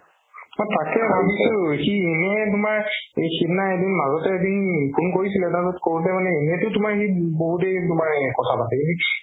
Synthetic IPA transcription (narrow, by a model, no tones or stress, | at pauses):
motakɛbʱabisʊkienɛt̬ʊmaɹejxibnaedinmazɔtɛedinpʰunkoɹis̬ilɛnazɔtkoɹulɛmanɛenɛtʊtʊmaɹkiboɦutejtʊmaɹkɔtʰapasɛkintu